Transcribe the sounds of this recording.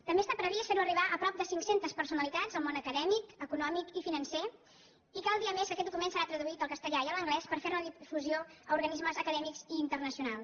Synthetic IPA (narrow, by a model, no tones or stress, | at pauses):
t̪əmbest̪apɾəβisfeɾuəriβ̞aʔəpɾɔp̚d̪əsiŋksent̪əspəɾsunəlit̪ad͡zəlmonəkəðɛmikəkunɔmikifinənse | ikalˠd̪iəmeskəkɛt̪̚d̪ukumensəɾat̪ɾəðuit̪əlˠkəst̪əʎaiələŋɡlɛspəɾfeɾməðifuzioəuɾɣənizməzəkəðɛmikziːnt̪ərnəsiunalˠ